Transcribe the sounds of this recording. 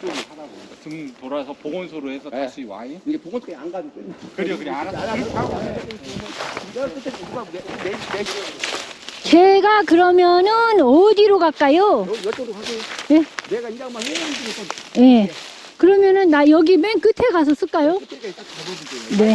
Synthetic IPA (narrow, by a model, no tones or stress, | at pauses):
ɯmtoɾasʰʌpoɡonsʰoɾoɦesʰʌaɕʰiwa̰ipnɡadekɯa | t͡ɕe̞ɡakɯɾʌmjʌnɯnʌdiɾoɡak͈ajo | je | je̞ | kɯɾʌmjʌnɯnːajʌɡimenkɯtʰe̞ɡas̬ʰʌs͈ɯɭk͈ajo | ne̞